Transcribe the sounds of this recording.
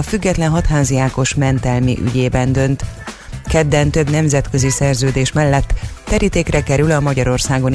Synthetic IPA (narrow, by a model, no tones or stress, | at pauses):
ɒfyɡːɛt̪lɛnɦɒt̪ɦaːzijaːko̞ʃmɛnt̪ɛlmḭʔy̰ɟeːbɛnd̪ø̞nt̪ | kɛd̪ːɛnt̪ø̞bnɛmzɛt̪kø̞zisɛrzøːd̪eːʃmɛlːɛt̪ːɛɾit̪eːkrɛkɛɾylɒmɒɟɒɾo̞rsaːɡo̞n